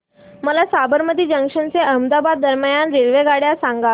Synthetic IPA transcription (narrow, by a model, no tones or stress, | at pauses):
məlasabəɾmət̪iːd͡ʑəŋkʂənt͡seʔəmd̪abad̪̚ːəɾməjanɾeɭʋeɡaɽjasãŋɡa